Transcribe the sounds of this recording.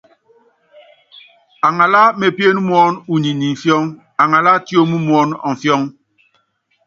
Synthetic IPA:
a˨ŋa˨la˦me˨pje˦nu˦m˦ɔ˦nu˨ɲi˨ni˨ɱ̩˨fjɔ˦ŋ | a˨ŋa˨la˦to˦mu˦m˦ɔ˦nɔ̰˨ɱ̩˨fjɔ˦ŋ

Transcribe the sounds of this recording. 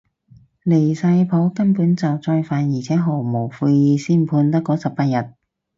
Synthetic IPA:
le˨˩jsɐ˧jpʰo˨˥wkɐ˥npuː˨˥nt͡sɐ˨wt͡sɔː˧jfaː˨˧njiː˨˩t͡sʰɛː˨˥ɦo˨˩wmo˨˩wfuː˧jjiː˨˧siː˥npʰuː˧nt̪ɐ˥kːɔː˨˥sɐ˨p̚paː˧t̚jɐ˨˩t̚

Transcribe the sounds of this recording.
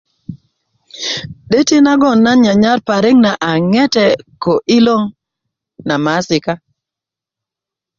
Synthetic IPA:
ɗe˦ti˦na˦ɡɔ˦˨nːa˦ɲa˨ɲa˦ɾpa˨ɾɪ˦ŋna˨ʔa˨ŋɛ˦tɛ˦ko˨ʔi˦lo˦ŋ | na˨ma˨˦sɪ˨ka˦

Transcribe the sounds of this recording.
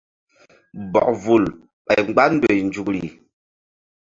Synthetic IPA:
bɔ̰˨kvu˨l | pa˨jŋ͡mɡ͡ba˦n̩˦dwe˨n˨d͡ʒu˨kɾi˨

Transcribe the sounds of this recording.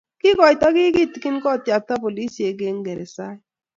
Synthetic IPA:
kɪ˦kɔ˨ɪ˨tɔ˦kɪ˦kɪ˦˨ti˨ki˦n˦kɔ˦˨tja˨ta˦po˨li˦si˨e˨ɡe˦ŋ˦ɡe˨ɾe˨sa˦

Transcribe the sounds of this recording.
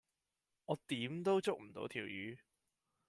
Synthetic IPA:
ŋɔː˨˧t̪iː˨˧˥mt̪o˥wt͡sʊ˥k̚m̩˨˩t̪o̰˨˧˥wt̪ʰiː˨˩wjyː˨˧

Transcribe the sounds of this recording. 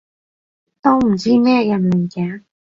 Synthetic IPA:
t̪o˥wm̩˨˩t͡siː˥mɛː˥˩jɐ˨nmi˨˩kɛː˨˥ŋ

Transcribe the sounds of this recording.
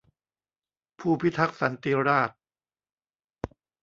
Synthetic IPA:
pʰuː˥˩pʰi˦˥t̪ʰa˦˥k̚sa˩˦nt̪iː˧ɾaː˥˩t̪̚

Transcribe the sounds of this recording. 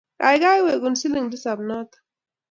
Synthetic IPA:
ka̰˨jɡa˦jwe˨ɡʊnsi˦li˦ŋd̪i˦sa˨bnaː˦t̪ḁ

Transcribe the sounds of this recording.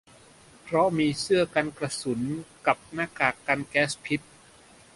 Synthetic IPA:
pʰɾɔ˦˥miː˧sɯ˥˩ɐka˧nkɾa˧su˩˦nka˨˩p̚naː˧˥kaː˨˩kːa˧nkɛː˦˥spʰi˦˥t̪̚

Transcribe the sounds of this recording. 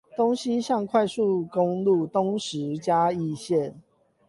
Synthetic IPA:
t̪o˦˥ŋɕi˦ɕjɑ˥˧ŋkʰwa˥˧ɪsu˥˨ko˦ŋlu˥˨t̪o˦ŋʂɻ̩˨˦t͡ɕja˦i˥˨ɕjɛ˥˨n

